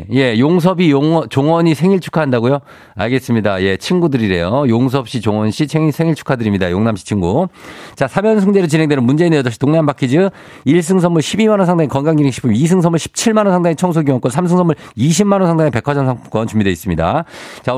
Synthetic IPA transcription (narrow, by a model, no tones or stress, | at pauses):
je̞joŋs̬ʰʌbijoʌt͡ɕoŋʌɲisʰe̞ŋiɭt͡ɕʰu̥kʰaɦandaɡojo | a̰ɭɡe̞s͈ɯmɲidaje̞t͡ɕʰinɡudɯɾiɾe̞jojoŋs̬ʰʌp̚ɕ͈it͡ɕoŋʌnɕʰieŋisʰe̞ŋiɭt͡ɕʰu̥kʰadɯɾimɲidajoŋnamɕʰi̥t͡ɕʰiŋɡut͡ɕasʰamjʌnsʰɯŋd͡ʑeɾot͡ɕinɦeŋdenɯnmund͡ʑe̞inɯjʌdʌɭɕʰi̥toŋnaanbakʰid͡ʑi | iɭs̬͈ɯŋs̬ʰʌmːuɭɕʰibimanʌnsʰaŋdaŋikʌnɡaŋɡineŋɕʰi̥p͈ʰumisʰɯŋsʰʌmuɭɕʰi̥p̚t͡ɕʰiɭmanʌnsʰaŋdaŋet͡ɕʰʌŋs̬ʰuɡuwʌnk͈ʌnsʰams̬ʰɯŋsʰʌmːuɭiɕ̬ʰimːanʌnsʰaŋdaŋepe̞kʰad͡ʑʌnsʰaŋk͈ʌnt͡ɕumbideis͈ɯmɲida̰t͡ɕa